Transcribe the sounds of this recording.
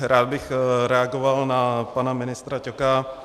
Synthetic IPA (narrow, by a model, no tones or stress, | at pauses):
ɾaːd̪̚bɪxɾɛaɡovalnapanamɪnɪst̪ɾacoka